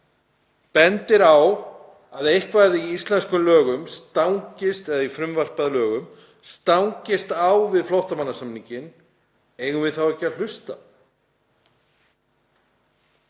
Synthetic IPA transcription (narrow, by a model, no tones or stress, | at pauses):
pɛnt̪ɪɾaw | aðejhkvaðɪiist̪lɛnskʏmlœːɣʏmst̪awŋcɪst̪ɛðaifɾʏmvar̥paðlœːɣʏm | st̪awŋcɪst̪awvɪðflowht̪amanːasamniɲcɪn | ejɣʏvɪðθawɛhcaðl̥ʏst̪a̰